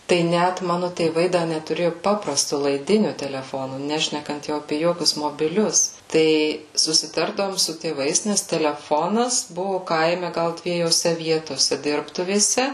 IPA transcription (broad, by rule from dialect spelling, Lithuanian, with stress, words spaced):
tɐɪ ˈnʲæt ˈmɑːnʊ tʲeːˈʋɐɪ dɐ nʲɛtʊˈrʲeːjʊ ˈpɑːprɐstʊ lˠɐɪˈdʲɪnʲʊ tʲɛlʲɛˈfoːnʊ ˈnʲæːʃʲnʲɛkɐnt jɛʊ ɐˈpʲeː ˈjoːkʲʊs moːbʲɪˈlʲʊs tɐɪ sʊsʲɪˈtɐrdɐʋoːm sʊ tʲeːˈʋɐɪs nʲɛs tʲɛlʲɛˈfoːnɐs ˈbʊʋʊ ˈkɐɪmʲɛ ˈɡɐlˠ dʲʋʲiɛjoːˈsʲɛ ˈʋʲiɛtoːsʲɛ ˈdʲɪrptʊʋʲeːsʲɛ